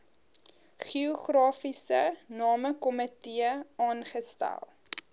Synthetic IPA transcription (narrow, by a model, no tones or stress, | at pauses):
χioχrɑːfisənɑːməkɔmətiəɑːnχəstæ̰lˠ